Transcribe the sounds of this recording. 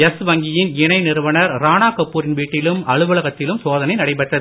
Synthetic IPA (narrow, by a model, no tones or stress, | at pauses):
ɛsʋɐŋɡɪjɪnɪnɐɪnɪɾɯʋɐnɐɾɾaːnaːkɐpːuːɾɪnʋiːʈːɪlɯmɐɻɯʋɐɭɐɣɐt̪ːɪlɯmsoːðɐnɐɪnɐɽɐɪpɐʈːɐðɯ